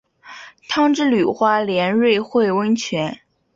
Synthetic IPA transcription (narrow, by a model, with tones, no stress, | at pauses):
t̪ʰɑ˥ŋʈ͡ʂɻ̩˥ly˨˩xwa˥ljɛ˧˥nɻwe˥˧ɪxwe˥˩ɪwə˥nt͡ɕʰɥɛ˧˥n